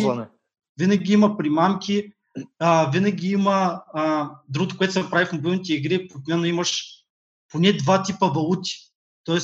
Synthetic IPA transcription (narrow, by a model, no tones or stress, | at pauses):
n | vinɐɡʲiimɐpɾimamkʲi | əvinɐɡʲiimɐ | d̪ɾuɡot̪ʊ̥kʊɛt̪ʊsɛɐpɾavifmobilˠnit̪ɛiɡɾipot̪mʲɛnɐimɐʃ | ponɛd̪vat̪ipəvɐlˠut̪i̥ | t̪ɔɛs